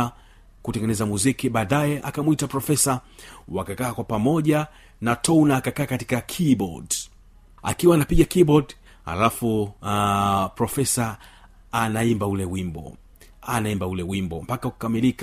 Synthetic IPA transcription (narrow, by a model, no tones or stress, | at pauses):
kutɛŋɡɛnɛzamuzikiɓaːɗajɛʔakamwitapɾɔfɛsa | wakakaːkwapamɔʄa | natʰɔwnaːkakaːkati̥kakʰibɔ̰d | a̰kiwaːnapiɠakibɔd | ha̰lafu | pɾɔfɛsaː | naimbaulɛwimbɔ̰ | anaimbaulɛwimbɔ̰m̩pakauku̥kamilika